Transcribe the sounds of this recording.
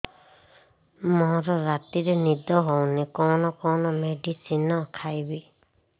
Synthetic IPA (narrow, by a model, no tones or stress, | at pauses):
mɔɾɔɾat̪iɾɛnid̪ɔɦownikɔnɔkɔnɔmeɖisinɔkʰajbi